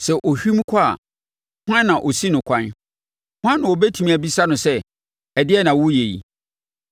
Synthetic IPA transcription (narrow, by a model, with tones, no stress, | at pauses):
sɛ˨ʔo˨ɕᶣi˦m˦kʷʰa˦a̰˨ | hã˦nːã˨ʔo˨si˦nʊ̃˨kʷʰã˦n | hã˦nːʊ̃˨ɔ˨bɛ˦tʰu˨mĩ˨æ˨bi˦sa˦nʊ̃˨sɛ˦ | ɛ˨dɪ˦ɛ˦nã˨wʊ˦je˨jḭ˨